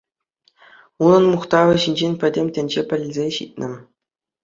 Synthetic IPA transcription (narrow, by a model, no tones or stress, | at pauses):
unɤ̆nmuχt̪ɑʋɤ̆ɕinʲd͡ʑenʲpʲɘ̆dʲemʲtʲɘ̆nʲd͡ʑepʲɘ̆lʲɘzʲeɕḭt̚ʲnʲɘ̆